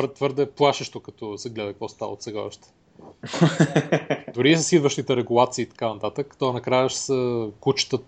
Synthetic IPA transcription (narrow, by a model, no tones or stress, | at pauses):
ɾt̪vɤɾd̪ɛplˠaʃəʃt̪okɐt̪ɔsɛɡlɛd̪əkvɔst̪a̰ə̰o̰t̪sɛɡa̰ʃt̪ɛ̥ | d̪ʊɾisəsid̪vəʃt̪it̪ɛɾɛɡulˠat̪siːt̪ɐ̥kanɐt̪at̪əkt̪ɔanɐkɾajəʃsəkut͡ʃə̥t̪ə